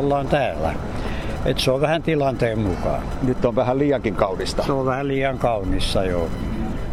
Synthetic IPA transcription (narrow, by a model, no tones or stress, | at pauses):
lːɑːnt̪æːlːˑæ̰ | et̪seoʋʋæhænt̪ilɑnt̪eːmmukɑ̰ː | nyt̪ːoʋʋæhælliːɑkiŋkɑunist̪ɑseoʋʋæhælliːɑŋkɑunisːɑjo